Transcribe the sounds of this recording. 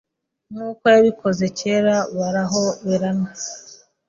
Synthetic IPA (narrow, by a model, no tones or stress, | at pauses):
nuːkojaβikʰo̞zeceːɾaβaɾaɦo̞βeɾana